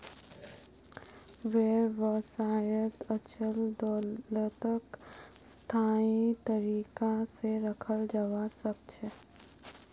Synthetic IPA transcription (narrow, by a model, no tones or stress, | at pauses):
ʋeːɾʋəsaːjət̪ət͡ʃʰəld̪ɔːlət̪əkst̪ʰaːit̪əɾiːkaseɾəkʰəld͡ʒəʋasək̚t͡ʃʰɛ